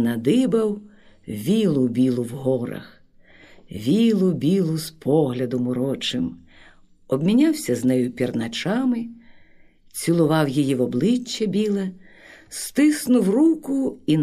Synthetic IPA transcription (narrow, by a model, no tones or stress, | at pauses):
nɐd̪ɪbɐw | ʋʲilˠʊbʲilˠʊwɦɔɾɐ̰x | ʋʲilˠʊbʲilˠʊspʰɔɦlʲɐd̪ɔmʊɾɔt͡ʃɪm | ɔbmʲinʲɑwsʲɐznɛjʊpʲirnɐt͡ʃɑmɪ | t͡sʲilˠʊʋɑwjijiʋɔblˠɪt͡ʃːɐbʲilˠɛst̪ɪsnʊwrukʊin